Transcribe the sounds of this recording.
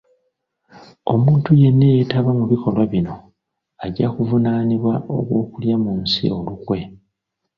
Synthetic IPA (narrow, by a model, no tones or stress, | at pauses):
o̞muːntuje̞nːe̞jetaβamuβikʰo̞lwaβino̞ | aɟːakuvunaːniβwao̰kwo̞ːkuljamunsḭo̞lukwe̞